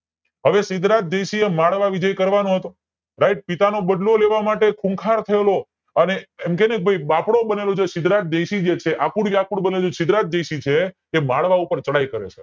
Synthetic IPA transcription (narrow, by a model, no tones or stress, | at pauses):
ɦəʋesɪd̪ɾat̪̚d̪eʃiemaɭʋaʋid͡ʒəjkəɾʋanoɦət̪o | ɾaiʈ̚pit̪anobəɖloleʋamaʈekʰũŋkʰaɾt̪ʰəelo | əneɛmkenək̚bʱajbapɽobənelod͡ʒesɪd̪ɾat̪̚d̪eʃid͡ʒet͡ʃʰeʔakuɽʋjakuɽbənelosɪd̪ɾat̪̚d̪esit͡ʃʰeː | maɭʋaupəɾt͡ʃəɽajkəɾḛt͡ʃʰe̥